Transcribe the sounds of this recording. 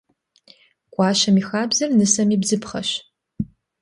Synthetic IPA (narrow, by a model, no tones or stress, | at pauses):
kʷʼɑːɕɐmiːxaːbzɐrnɨsɐmiːbzɨpχɐɕ